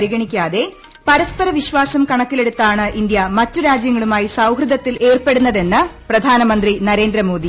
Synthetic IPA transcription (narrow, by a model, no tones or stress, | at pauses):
ɾiɣɐɳikʲːaːðe̞ | pɐɾɐspɐɾɐʋiɕʋaːsɐmkɐɳɐkːile̞ɽut̪ːaːɳɨʔind̪jɐmɐtːuɾaːd͡ʑjɐŋːɐɭumaːjisɐwɦrɨd̪ɐt̪ːilʔe̞ːrpe̞ɽunːɐðe̞nːɨprɐd̪ʱaːnɐmɐnd̪rinɐɾe̞ːnd̪ɾɐmo̞ːd̪i